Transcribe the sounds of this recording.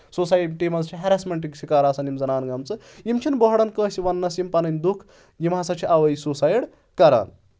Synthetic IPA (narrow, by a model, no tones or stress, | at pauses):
susajʈimɐzt͡ʃʰiɦeɾasmɐɳʈiksʰikɐɾaːsɐnimzɐnaːnɡɐmt͡sɨ | jimt͡ʃʰinbɐɦɐɽɐnkə̃ːsiʋɐnːɐsjimpɐnɐnʲd̪ukʰ | jimɦɐsɐt͡ʃʰiʔɐʋɐjsusaːjiɽ | kɐɾa̰ːn